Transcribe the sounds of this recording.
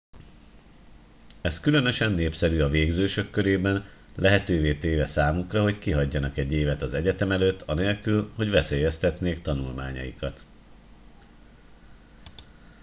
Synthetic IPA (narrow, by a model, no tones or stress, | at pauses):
ɛskylø̞nø̞ʃɛnːeːpsɛɾyɒveːɡzøːʃø̞kːø̞ɾeːbɛn | lɛɦɛt̪øːveːt̪eːvɛsaːmukrɒɦo̞ckiɦɒɟːɒnɒkɛɟːeːvɛt̪ɒzɛɟɛt̪ɛmɛløːt̪ːɒneːlkylho̞ɟʋɛseːjɛst̪ɛt̪neːkt̪ɒnulma̰ːɲɒ̰jikɒt̪